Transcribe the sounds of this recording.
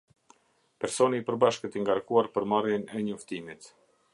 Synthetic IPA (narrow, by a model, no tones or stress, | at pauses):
pɛɾsɔniːpəɾbaʃkət̪iŋɡaɾkuaɾpəɾmarjɛnɛɲɔft̪imit̪